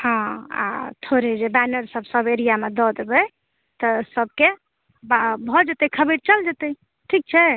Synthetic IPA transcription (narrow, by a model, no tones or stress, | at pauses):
hɔ̃a̰t̪ʰoɾed͡ʒebanəɾsəbʱsəbeɾijamed̪ɔd̪ebɛ | t̪əsəb̚ke | bbʱɔd͡ʒet̪ɛkʰəbeɽt͡ʃəld͡ʒət̪ɛ | ʈʰik̚t͡ʃʰɛ